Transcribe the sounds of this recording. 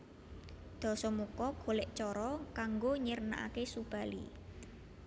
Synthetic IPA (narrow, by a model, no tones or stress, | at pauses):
d̪̥ɔ̤sɔmukɔɡ̥o̤leʔt͡ʃɔɾɔkaŋɡoɲəɾəna̰ʔa̰kesub̥a̤lḭ